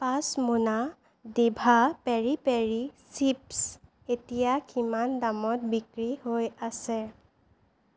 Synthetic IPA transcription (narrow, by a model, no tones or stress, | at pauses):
pasmuna | debʱapeɹipeɹisips | etijakimandamɔtbikɹihojasɛ